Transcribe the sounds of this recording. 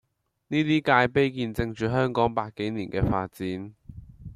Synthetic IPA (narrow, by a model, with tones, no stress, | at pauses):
niː˥t̪iː˥kaː˧jpe˥jkiː˧nt͡sɪ˧ŋt͡ʃyː˨˧ɦœː˥ŋkɔː˨˥ŋpaː˧kkːe˨˥jniː˨˩nkɛː˧faː˧t̚t͡siː˨˥n